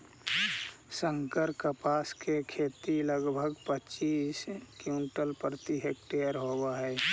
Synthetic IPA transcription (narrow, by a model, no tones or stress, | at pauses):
sə̃ŋkəɾkəpaːskekʰeːt̪iləɡbʱəɡpət͡ʃiːskjũnʈəlpɾət̪iɦeːk̚ʈejəɾɦowaɦɛː